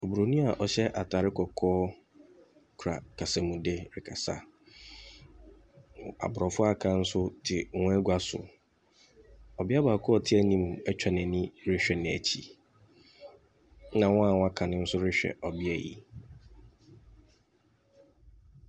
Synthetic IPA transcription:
o˨bu˨ɾo˨nũ˦a˨ʔɔ˨ɕɛ˦ʔa˨tʰa˨ɾɪ˦kɔ˨kʰɔː˦ | kʰu˨ɾa̰˨kʰa˨sa˨mũ˨de˦ɾɪ˨kʰa˨sa̰˨ | a̰˨bʊ˨ɾɔ˨fʊ˦a˦kʰã˦n̩˦sʊ˦tʰɪ˨wɔ̃˦æ˦ɡʷa˦sʊ̰˨ | ɔ˨bɪ˦a˦ba˨kʰʊ˦ɔ˦˨tʰɪ˦æ˦nĩ˦˨mɛ˦t͡ɕᶣʰa˨nɛ̃˨nĩ˦ɾɪ˦ɕᶣɛ˨nɪ̃˨æ̰˨t͡ɕʰi˨˦ | nã˨wɔ̃˦a˨wɔ̃˦a˦kʰã˨nɪ̃˦n̩˦sʊ˦ɾɪ˦ɕᶣɛ̰˨ʔɔ˨bɪ˦ɛ̰˨jḭ˨

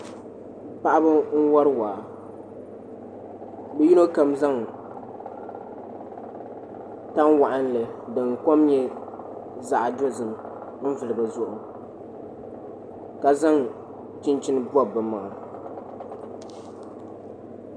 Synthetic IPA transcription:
pa˦ʔa˦bɨ˦ŋ̩˦wa˦ɾɨ˦waː˨ | bɛ˦ji˦no˦ka˨mza˦ŋ | ta˦ŋwa˨ʔa˦n˦lɨ˨dɨ˨ŋko˦mɲɛ˦ | za˦ʔa˨do˦zɨ˨m˨ | m̩˦vɨ˨lɨ˨ba˨zʊ˨ʔʊ˨ | ka˨za˦ŋ | t͡ʃi˦nt͡ʃɪ˦nɨ˦ba˦bɨ˨ma˨

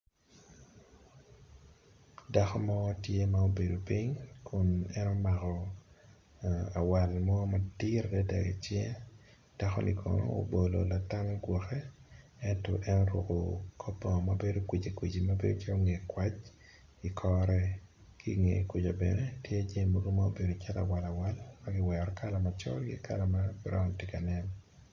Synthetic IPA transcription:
da˦xɔ˦mɔ˦tje˦mao˦be˨do˨pi˦ɲkʰʊ˦nɛ˦nɔ˦ma˨kɔ˨ | a˨wa˨lmɔ˦ma˨di˦ɾdɛ˦dɛ̰˨ɡḛ˨t͡ʃjɛ˦ | d̥a˦xɔ̰˦nḭ˨kʰɔ̰˨nɔ̰˦o̰˨˦bo˨lo̰˨la˨ta˦mɛ˦ɡwɔ˨xɛ˦ | ɛ˦ntɔ̰˨ʔɛ˦nɔ˦ɾo˨ko˨kʰo˦pːɔ˨mabe˦do˦kwi˨d͡ʒe˨kwi˨d͡ʒi˨ma˦bḛ˦do˦t͡ʃɛ˦o˦ŋe˨kwa˦t͡ʃ | i˨kʰɔ˦ɾɛ˦ | ki˦ŋḛ˨kwi˨d͡ʒa˨bɛ̰˨nɛ˦tje˦a˦d͡ʒe˦˨mo˦ɡo˦mao˦be˨ɾo˨t͡ʃɛ˦ta̰˨wa˨la˨wa˦lma˦ɡɪ˦wɛɾɔ˨ka˦la˨ma˨t͡ʃɔ̰˦lɡɪ̰˦kʰa̰˦la˨ma˦bɾɔ˦m˨te˦ka˨nɛ˦n

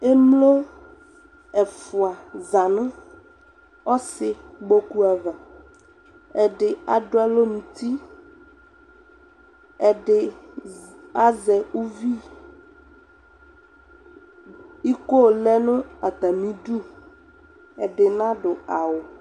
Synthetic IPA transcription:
e˦mlo˦ | ɛ˨fʊ˨a˨za˨nʊ̃˦ | ɔ˦sɪ˨ɡ͡bo˦ku˦a˨va˨ | ɛ˨ɖɪ˨a˨ɖʊ˦a˨lo˦mũ˨t̪i˦ | ɛ˨ɖɪ˨ | a˦zɛ˨u˦vi˦ | i˦ko˦˨lɛ˦nʊ̃˦a˨t̪a˨mĩ˦ɖu˦ | ɛ˨ɖɪ˨nã˦ɖʊ˨a˨wo˨

